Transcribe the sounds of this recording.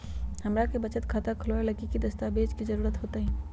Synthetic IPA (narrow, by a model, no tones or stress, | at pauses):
hɐmɾakebɐt͡ʃət̪kʰaːt̪akʰʊloelɐkikid̪ɐst̪abeːd͡ʒkizɐɾuːɾət̪ɦoːt̪aɦɛ̃ː